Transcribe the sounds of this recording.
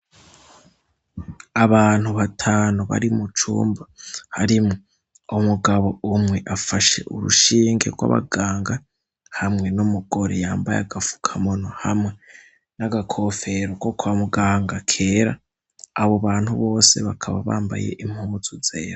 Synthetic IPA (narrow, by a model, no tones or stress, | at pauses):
aβaːn̥huβatʰaːnuβa̰ɾimut͡ʃṵːmbahaɾimo | umuɡaβo̞umŋe̞ʔafaʃe̞̰ʔuɾṵʃiːŋɡe̞̰ɾɡwa̰βa̰ɡaːŋɡa | hamŋe̞numuɡ̥o̞ɾḛjaːmbaja̰ɡafu̥kʰamonohamŋe̞ | naɡakʰo̞fe̞ɾoko̞kwamuɡaːŋɡakʰe̞ːɾaː | βoβaːnhuβo̞ːse̞̰βakʰaβaβa̰ːmba̰je̞̰ʔimhuːz̥uz̥ḛːɾo